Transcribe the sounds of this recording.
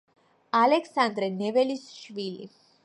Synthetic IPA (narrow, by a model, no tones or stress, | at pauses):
alɛksand̪ɾɛnɛʋɛlisʃʋilḭ